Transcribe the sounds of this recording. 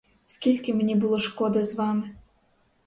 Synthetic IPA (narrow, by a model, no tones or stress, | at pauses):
skʲilʲkʲɘmnʲibulˠoʃkod̪ɤzvɑmʲɘ